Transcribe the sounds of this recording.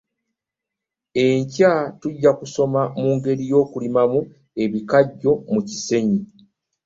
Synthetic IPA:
e̞ɲcatuɟːakuso̞mamuːŋɡe̞ɾijo̞ːkulimamu | e̞βikaɟːo̞muci̥se̞ɲi

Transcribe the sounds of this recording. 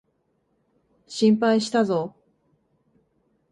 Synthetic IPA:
ɕĩmpaiɕi̥t̪azo

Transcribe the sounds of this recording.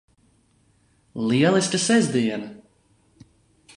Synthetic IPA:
lˠiɛlˠisʲt̪ʲasɛzd̪iɛnɐ

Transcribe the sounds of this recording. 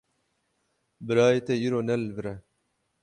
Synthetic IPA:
bɾaːet̪eiɾonɐlvɾɐ

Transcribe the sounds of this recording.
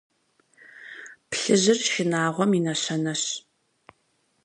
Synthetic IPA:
pɬɨʑɪrʃɪnaːʁʷɔminɐɕɐnɐɕ

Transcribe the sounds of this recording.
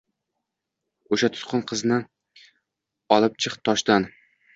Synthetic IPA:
ʊʃat̪ʰʊ̥t̪qʰʊnqʰɨznɪ | ɒlˠɪp̚t͡ʃʰɨχt̪ʰɒʃd̪an

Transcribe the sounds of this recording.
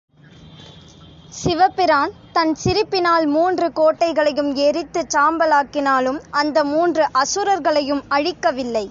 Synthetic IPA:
sɪʋɐpːɪɾaːnt̪ɐnsɪɾɪpːɪnaːlmuːndrɯkoːʈːɐɪɣɐɭɐjɯmɛɾɪt̪ːɯt͡ʃaːmbɐlaːkːɪnaːlɯmɐnd̪ɐmuːndrɯʔɐsɯɾɐɾɣɐɭɐjɯmɐɻɪkːɐʋɪlːɐɪ

